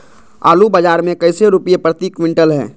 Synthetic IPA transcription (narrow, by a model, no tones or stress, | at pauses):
a̰ːlubəd͡ʒaːɾmẽkəɪseɾupijepɾət̪ikwɪ̃ɳʈəlɦɛ̰̃ː